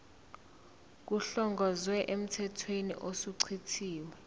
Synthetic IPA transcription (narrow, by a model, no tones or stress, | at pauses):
k̬uɬɔŋɡʱɔzwɛʔem̩tʰɛtʰwenḭʔosuǀʰitʰiːwɛ